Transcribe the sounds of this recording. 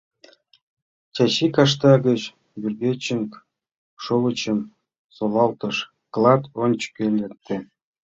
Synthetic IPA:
t͡ɕʲɑɕikɑʂ̬t̪ɑɡə̆t͡ɕ | bʲyrbʲet͡ɕːə̆ŋk | ʃolɤ̆t͡ɕə̆m | solɑlt̪ɤ̆ʃ | klˠɑt̪onʲt͡ɕkʲelʲet̪ʲːĕ

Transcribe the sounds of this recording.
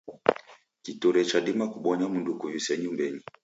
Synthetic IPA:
kituɾɛt͡ʃaɗimakuɓɔɲamundukujusɛɲumbɛɲi

